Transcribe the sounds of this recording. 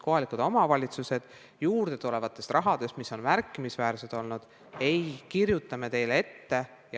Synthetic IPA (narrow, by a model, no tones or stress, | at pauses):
ko̞ɦɑlikud̪̥o̞mɑvɑlʲit̪suse̞d̪̥ | juːrd̪̥e̞t̪ule̞vɑt̪ːˑe̞st̪rʔɑɦɑd̪̥e̞st̪miso̞nmærkˑːimisvæːɾse̞d̪̥o̞lnud̪̥ | e̞jkiɾjut̪ˑːɑme̞t̪e̞jlee̞t̪ːe̞ | jɑ